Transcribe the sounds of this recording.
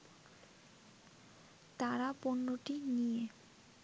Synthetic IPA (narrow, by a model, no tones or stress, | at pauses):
t̪aɾaponːoʈinije